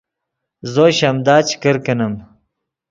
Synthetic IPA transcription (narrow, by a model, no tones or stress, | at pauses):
zoːɕɐmd̪aːt͡ɕi̥kəɾkɐnɐm